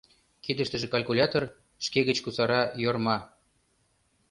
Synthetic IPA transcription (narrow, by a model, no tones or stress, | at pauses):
kid̪ə̆ʃt̪ə̆ʒĕkɑlʲkulʲɑt̪or | ʃkeɣə̆t͡ɕkusɑɾɑjormɑ